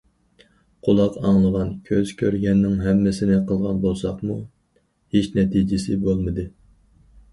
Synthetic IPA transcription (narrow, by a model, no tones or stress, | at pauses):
qʰolˠɑqɑŋlˠəʁɑnkʲʰøz̥kʲʰøɾɡʲɛnːɪŋɦɛmːɪsɪnɪqʰəlˠʁɑnbolˠsɑχmu | het͡ʃnɛt̪ʰid͡ʒɪsɪbolˠmɨd̪ɨ